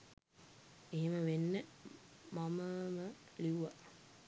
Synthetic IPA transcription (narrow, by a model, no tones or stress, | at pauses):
eɦeməʋenːə | maməmə | liuʋa